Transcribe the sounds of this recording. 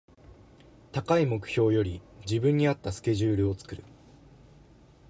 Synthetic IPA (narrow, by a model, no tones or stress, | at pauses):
t̪akaimo̞kɯ̟̥ço̞ːjo̞ɾʲid͡ʑibɯ̟̃ɲ̟ːiat̪ːasɨ̥ke̞ʑɨːɾɯ̟o̞t͡sɨ̥kɯ̟ɾɯ̟